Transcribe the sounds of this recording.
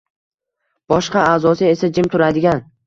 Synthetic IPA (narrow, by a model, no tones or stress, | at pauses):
b̥ɒʃqɑaːzɒsɪe̞sad͡ʒɪmt̪ʰʊɾad̪ɪɡʲan